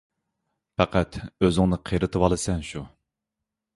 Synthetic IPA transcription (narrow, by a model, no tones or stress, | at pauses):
pæqʰæt̪ʰøzɪŋnɨqʰeɾɨt̪ʰɨwɑlˠɨsɛnʃu